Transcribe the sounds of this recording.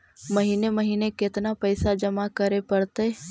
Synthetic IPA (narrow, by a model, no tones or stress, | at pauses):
məɦiːneməɦiːnekɪt̪napəɪsad͡ʒɐmakəɾepɐɽt̪eː